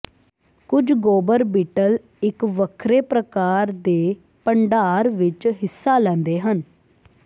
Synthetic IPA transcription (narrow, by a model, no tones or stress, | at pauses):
kʊd͡ʒɡoːbəɾbiːʈəl | ɪkʋəkʰɾeːpɾəkaːɾd̪eː | pəɳɖaːɾʋɪt͡ʃɦɪsːaːlɛ̃ːnd̪eːɦən